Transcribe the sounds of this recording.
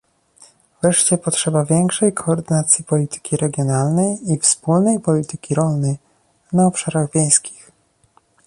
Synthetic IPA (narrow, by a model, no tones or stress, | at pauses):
vɾɛʂt͡ɕɛpɔtʂɛbavʲjɛŋkʂɛjkʰɔːɾd̪ɘnat̪sʲjipɔlʲit̪ɘ̥kʲiɾɛɡʲjɔnalnɛjifspulnɛjpɔlʲit̪ɘ̥kʲiɾɔlnɛj | naɔpʂaɾaɣvʲjẽj̃skʲi̥x